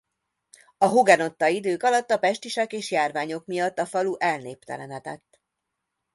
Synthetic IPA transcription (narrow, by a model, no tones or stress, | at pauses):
ɒɦoɡɛno̞t̪ːɒid̪øːkɒlɒt̪ːɒpɛʃt̪iʃɛkeːʃjaːrvaːɲo̞kmijɒt̪ːɒfɒluʔɛlneːp̚t̪ɛ̰lɛnɛt̪ɛt̪ː